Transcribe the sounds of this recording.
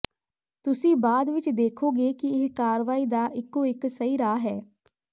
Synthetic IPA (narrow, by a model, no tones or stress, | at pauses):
t̪ʊsĩːbaːd̪ʋɪt͡ʃd̪eːkʰoːɡeːkɪɪɦkaːɾʋaːiːd̪aːʔɪkːoːɪksəiːɾaːɦɛː